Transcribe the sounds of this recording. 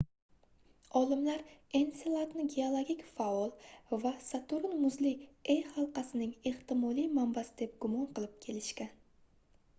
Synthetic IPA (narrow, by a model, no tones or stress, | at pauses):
ɒlˠɪmlaɾe̞nselˠat̪nɪɡʲeolˠoɡʲikʲfaɒlˠvasat̪ʰʊɾɪnmʊzlɪejhɑlˠqɑsɪnɪŋeχt̪ɪmɒlijmambasɪ̥d̪e̞p̚ɡʊmɒnqɨlˠɪp̚kʲʰe̞lɪʃkʲan